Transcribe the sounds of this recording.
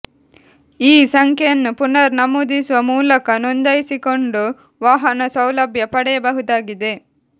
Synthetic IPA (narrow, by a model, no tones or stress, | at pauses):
iːsɐŋkʰɐjɐnːupunɐɾnɐmuːd̪isuʋɐmuːlɐkɐnond̪ɐjsiko̞ɳɖu | ʋaːɦɐnɐsɐwlɐbʱjɐpɐɽɛjɐbɐɦud̪aːɡid̪e̞